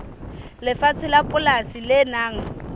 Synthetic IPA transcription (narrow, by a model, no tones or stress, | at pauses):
lɪfat͡sʰɪlapʼʊlasilɪnaːŋ̩